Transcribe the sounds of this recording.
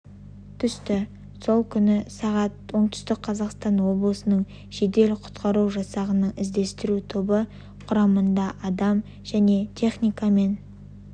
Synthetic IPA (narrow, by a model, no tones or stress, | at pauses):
t̪ʰʏst̪ɪ | so̞lˠkʲʰʏnɪsɑʁɑt̪̚wo̞ɴt̪ʊ̥st̪ɪq̚qʰɑzɑqst̪ɑnwo̞blˠəsənəɴ | ʒ̥e̞d̪e̞lqʰʊ̥t̪qɑɾuwʒɑsɑʁənəɴɪzd̪e̞st̪ɪɾut̪ʰobə | qʰʊɾɑmənd̪ɑʔɑd̪ɑm | ʒæne̞t̪ʲʰe̞χnijkɑme̞n